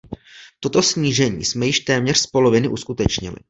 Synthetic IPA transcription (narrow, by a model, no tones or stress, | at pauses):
t̪ot̪o̞sɲiːʒɛɲḭːsmɛjɪʃt̪ɛːmɲɛr̥spo̞lo̞vɪnɪʔuskut̪ɛt͡ʃɲɪ̰lɪ̰